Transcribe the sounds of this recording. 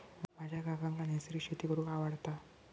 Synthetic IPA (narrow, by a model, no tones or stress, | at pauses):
mad͡ʑʱaɡaɡaŋkanesɾiːɕet̪ikəɾuaʋaɽt̪a